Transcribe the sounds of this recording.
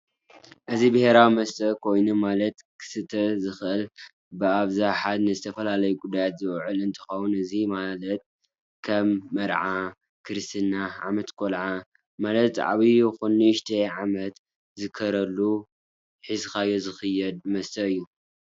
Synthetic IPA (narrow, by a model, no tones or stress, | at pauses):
ʔɨzibɨhe̞ɾawimɐst̪ʰʼɐkʰo̞jnumalɐt̪kʰɨ̥sɨt̪ʰːɐzɨxʔɨl | bɨaβzaħad̪nɨzɨt̪ʰɐfɐlalɐjukʼud̪ajat̪zɨwʕɨlɨnt̪ʰɨ̥xɐwunɨzimalɐt̪̚ | kʰɐmːɐɾʕa | kʰɨɾɨst̪ʰɨnːaʕa̰mɐt̪kʼolʕa | malɐt̪ʕa̰βixunːiʃt̪ʰɐʕamɐt̪ | zɨkʰːɐɾɐlːu | ħizxajozɨxɨjːɛd̪̚mɐst̪ʰɐɨjːu